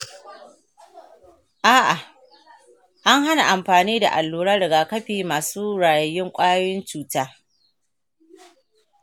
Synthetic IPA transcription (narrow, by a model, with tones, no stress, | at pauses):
ʔaː˦ʔa˨ | ʔa˦ŋɦa˦na˨ʔa˨mɸaː˨niː˦da̰˨ʔa˨lːuː˨ɽaː˦ɽɐ˨ɡaː˨kɐ˦ɸiː˨maː˨suː˦ɽaː˨jɐ˨jːɪ˦ŋkʷʼaː˦jwɪ˦nt͡ʃuː˨taː˦